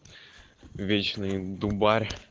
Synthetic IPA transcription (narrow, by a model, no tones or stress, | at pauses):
vʲet͡ɕnɨjd̪ubarʲ